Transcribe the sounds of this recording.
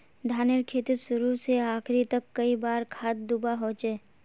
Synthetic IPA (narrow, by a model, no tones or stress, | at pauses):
d̪ʱaːneɾkʰeːt̪isʊɾuseaːkʰɾit̪ɐkːɐibaːɾkʰaːt̪̚d̪ubaɦoːt͡ʃeː